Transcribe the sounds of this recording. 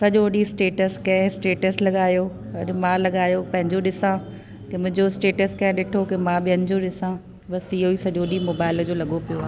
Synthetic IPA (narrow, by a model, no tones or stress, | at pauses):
sɐʄoɗisʈeːʈəskɐ̃ɦɪ̃sʈeːʈəslɐɠaːjo | ɐɗmãːlɐɠaːjopɐ̃ɦɪ̃ɲd͡ʑoɗɪsã | kemʊ̃ɦɪ̃ɲd͡ʑosʈeːʈəskɐ̃ɦɪ̃ɗɪʈʰokemãːɓɪɦəɲd͡ʑoɗɪsã | ɓɐsiɦoiːsɐʄoːɗimoːbaːɪld͡ʑoːlɐɠopijoaːɦ